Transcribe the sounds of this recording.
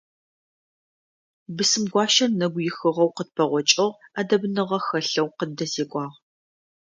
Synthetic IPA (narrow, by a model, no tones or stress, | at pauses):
bɨsɨmɡʷɑːʃɐrnɐɡʷjɪxɨʁɐwqəd̚pʰɐʁʷɔt͡ʃʼɪʁadɐbnɨʁɐxɐɬɐwqəddɐzeːkʷʼɑːʁ